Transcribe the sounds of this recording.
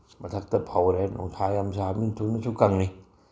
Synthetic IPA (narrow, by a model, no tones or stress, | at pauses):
mat̪ʰak̚t̪apʰawɾɛnṵŋt̪ʰaːjamsaːmint̪ʰunːasʰukaŋni